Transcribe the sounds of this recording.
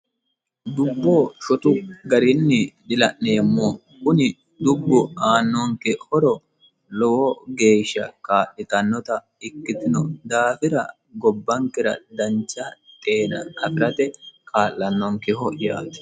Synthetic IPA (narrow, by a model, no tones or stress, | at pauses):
d̪ʊbːoːʃɔt̪ʊɡɐɾɪnːɪdɪlɐʔne̞ːmːo | kʊnɪ | d̪ʊbːʊaːnːɔŋkɛhɔɾɔ | lɔwɔɡe̞ːʃːɐkʼaːʔːɪt̪ɐnːɔt̪ɐ | ɪkːɪt̪ɪnɔd̪aːfɪɾɐ | ɡɔbːɐŋkɪɾɐ̰d̪ɐnt͡ʃːat̪ʼe̞ːnɐkɐfɪɾɐt̪ɛkʰʼaːlːɐnːɔŋkɛhɔʔjaːt̪ɪ̥